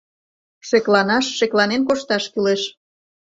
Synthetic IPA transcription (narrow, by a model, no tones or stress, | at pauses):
ʃeklɑnɑʃːeklɑnenkoʃt̪ɑʃkyleʃ